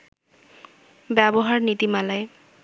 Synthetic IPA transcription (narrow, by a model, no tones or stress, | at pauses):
bɛbɔɦaɹnit̪imalaj